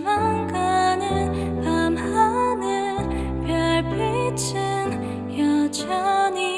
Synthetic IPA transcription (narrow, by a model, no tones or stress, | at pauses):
maŋɡanɯn | pamhanɯn | pjʌɭpʰet͡ɕʰ | ɯ | n | jʌt͡ɕʰani